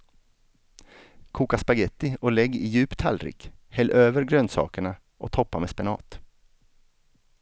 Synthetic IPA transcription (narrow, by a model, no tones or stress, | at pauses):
kʰuːkaspaɡɛt̪ːɪɔlɛɡːɪjʉ̟ːpt̪ʰha̰lɾɪ̰ːkhɛlːʔøːvəɾɡɾœnsɑ̰ːkəɳa | ʔɔ̰t̪ʰɔpːameːspɛnɑ̰ːt̪